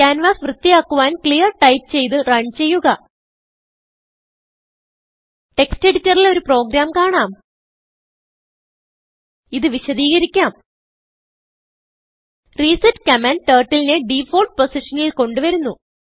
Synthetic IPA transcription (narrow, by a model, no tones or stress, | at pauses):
kaːnʋaːsʋrɨt̪ːijaːkːuʋaːnklijɐrʈɐjp̚t͡ɕe̞jt̪ɨrɐɳt͡ɕe̞jːuɣɐ | ʈe̞kste̞ɽitːɐrilo̞ɾupro̞ːɡɾaːmkaːɳaːm | iðɨʋiɕɐðiːɣɐɾikʲːaːm | riːsɐtkɐmɐnʈeːrʈːilineɖiːfoːlɖ̚po̞siʂɐnilko̞ɳɖɨʋɐɾunːu